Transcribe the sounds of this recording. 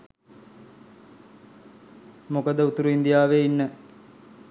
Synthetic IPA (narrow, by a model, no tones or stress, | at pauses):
mokəd̪əut̪uɾuind̪ijaːʋeinːə